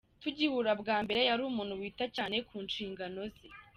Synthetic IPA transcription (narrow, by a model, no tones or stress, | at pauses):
tuɟihuɾabɡaːmbe̞ɾejaɾuːmuːn̥huwiːtacaːne̞kʰuːnʃiːŋɡano̞zi